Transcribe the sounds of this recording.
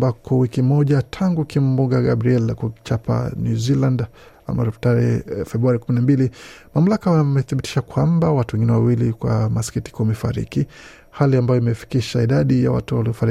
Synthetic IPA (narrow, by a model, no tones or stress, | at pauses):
bakʰɔwikimɔʄatʰaŋɡukim̩buɡaɡabɾiɛlkut͡ʃapʰa̰njuziland | a̰ma̰ɾɛpɔ̥taɾɛfɛbɾuaɾikuminambilimam̩lakaamɛθiɓiti̥ʃakwambawatuwɛ̃ŋɡinɛwawilikwa̰maskiti̥kɔmɛfa̰ɾḭki | haliambajɔimɛfi̥kiʃaiɗaɗija̰wa̰tuwaliɔfaɾi